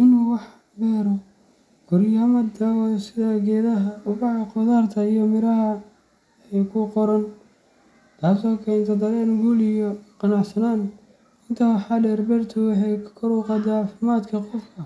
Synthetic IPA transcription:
ʔɪnuwɑħ | bɛːɾɔ | ɡ̥ʊrjaːmɐd̪ɐsɪðɐɡɛːðɐɦɐʊbɑʕɑqɔðaːrt̪ʰɐijɔmɪɾɐɦɐ | ɛjkʰʊqɔɾɐn | t̪ʰaːsɔːkʰɛjnt̪ʰɐd̪ɐlɛːnɡuːlijɔqɑnɑʕsɐnaːn | ɪnt̪ʰɐwħɑɖɛːrbɛrt̪ʰʊwɑħɑjkʰkʰɔɾʊqɑd̪ɐʕɑːfɪmaːd̪kʰɐqɔfkʰɐ

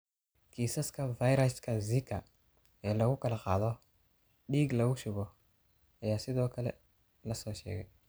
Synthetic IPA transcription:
kʰiːsɐskʰɐvajɾɐskʰɐzikʰɐ | ɛːlɐɣʊkɐlɐqɑːðɔ | ɗiːɡlɐɣʊʃʊβɔ | ɐjaːsɪðɔːkʰɐlɛ̰ | lɐsɔːʃɛ̰ːɣɛ̰j

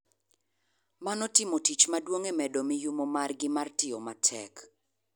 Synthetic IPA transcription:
manɔtɪmotit͡ʃmadwoŋemɛdomɪjumomarɡɪmartɪɔmatʰɛ̰k

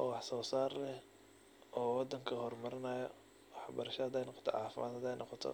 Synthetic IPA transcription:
ʔɔːwɑħsɔːsaːrlɛh | ɔːwɑd̪ɐŋkʰɐɦɔrmɐɾɪnɐːjɐ | wɑħbɐɾɐʃɐɐd̪ɛjnɑqɔ̥t̪ʰɔʕɑ̰ːfɪmʔaːd̪hɐd̪ɛjnʔɔqɔt̪ʰɔ̰

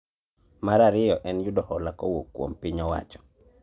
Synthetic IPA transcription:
maɾaɾɪjɔʔɛnjʊdɔhɔlakɔwokːwo̰mpiɲɔwa̰t͡ʃɔ̥

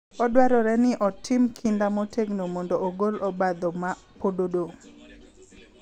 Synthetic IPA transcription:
ɔdwɛɾɔɾɛnɪʔɔtʰɪmkʰindamɔtʰeɡnomondoːɡolɔbad̪ɔma | pododo

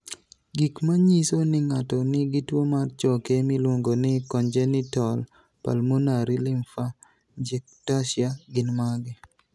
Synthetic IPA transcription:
ɡikmaɲisonɪŋatɔnɪɡɪtwomart͡ʃɔkemilwoŋɡonɪkɔnd͡ʒɛnɪtɔl | pa̰lmonaɾilɪmfa | d͡ʒɛk̚taʃjaɡɪnmaɡɪ

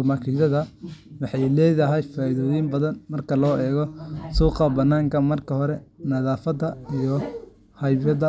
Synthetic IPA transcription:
mɐkʰiʃɐðɐwɑħɑjlɛːðɐɦɛjfaːɪðɔːjɪmbɐðɐnmɐrkʰɐlɔːʔɛːɣɔsuːqɐbɐnːaːŋkʰɐmɐrkʰɐɦɔɾɛnɐðaːfɐd̪ɐijɔ | hɐjbjɐðɐ

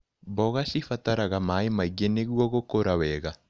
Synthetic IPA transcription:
bɔɣasifataɾaɣamaemaiɡeneɣwɔɣokoɾawɛːɣa

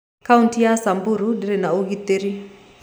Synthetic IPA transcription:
kauntijasambuɾudiɾinauɡit̪eɾi

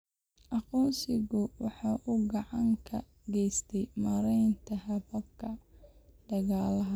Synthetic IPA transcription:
ʔɑqɔːnsɪɣʊwɑħɑːʔʊɡɑʕɑŋkʰɐ | ɡɛjst̪ʰɛjmɐɾɛjnt̪ʰɐhɐbɐb̚kʰɐd̪̥ɐɣaːlɐɦɐ

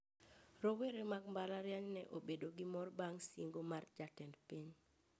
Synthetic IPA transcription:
ɾoweɾemaɡmbalaɾjaɲnɛ̰ʔobedoɡɪmɔrbaŋsiŋɡomard͡ʒatɛndpiɲ

